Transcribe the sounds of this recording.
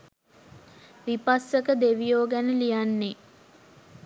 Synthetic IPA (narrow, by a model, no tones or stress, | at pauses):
ʋipasːəkəd̪eʋijoːɡænəlijanːe